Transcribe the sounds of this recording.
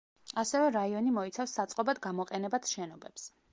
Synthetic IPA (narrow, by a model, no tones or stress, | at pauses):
asɛvɛɾaiɔnimɔit̪sʰafsːat̪sʼqʼɔbad̪ɡamɔqʼɛnɛbat̪ʰʃɛnɔbɛps